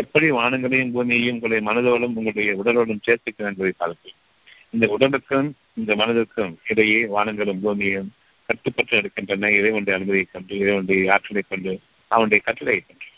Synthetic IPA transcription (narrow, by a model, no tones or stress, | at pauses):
ɛpːɐɽiʋaːɳɐŋɡɐɭɐjɯmbuːmɪjɐjɯmʊŋɡɐɽɐjɐmɐnɐðɯɐɭɯmʊŋɡɐɭɯɽɐjɐʊɽɐloːɭɯmt͡ʃeːɾt̪ːɯkːɐnɛnbɐðɪkaːlɐt̪ːɯ | ɪnd̪ɐʊɽɐlɯkːɯm | ɪnd̪ɐmɐnɐðɯkːɯmɪɾɐjeːʋaːɳɐŋɡɐɭɯmbuːmɪjɐjɯm | kɐʈːɯpːɐʈːɯɛɽɯkːɪndrɐnːɐɪðɐɪʋɐɳɖɯɐnɯmɐðɪjɐɪkːɐɳɖɯɪðɐʋɐɳɖɐjɐaːʈːɐlɐɪkːɐɳɖɯ | ɐʋɐɳʊɽɐjɐkɐʈːɪlɐɐkːɐɳɖɯ